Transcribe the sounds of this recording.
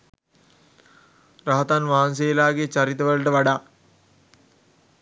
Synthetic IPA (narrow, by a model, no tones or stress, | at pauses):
raɦət̪anʋaːns̬eːlaːɡet͡ʃaɾit̪əʋələʈəʋaɖaː